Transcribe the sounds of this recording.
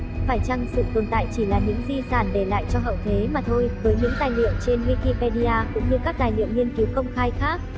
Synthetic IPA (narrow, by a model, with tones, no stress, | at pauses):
faː˧˩jt͡ɕa˧ŋsɨ̰˧˨t̪o˨˩nt̪a̰ː˧˨jt͡ɕi˧˩laː˨˩ɲɨ̰˧˥ŋzi˧˩saː˧˩nɗe˧˩la̰ː˧˨jt͡ɕɔ˧ɦə̰˧˨wt̪ʰe˨˦maː˨˩t̪ʰo˧jvəː˨˦jɲɨ̰˧˥ŋt̪aː˨˩jlḭ˧˨əmt͡ɕe˧nwi˧ki˧pɛ˧ɗi˧aː˧kʊ̰˧˥ŋ͡mɲɨ˧kaː˦˥k̚t̪aː˨˩jlḭ˧˨əmɲi˧ənki˨˦wkə˧wŋ͡mxaː˧jxaː˦˥k̚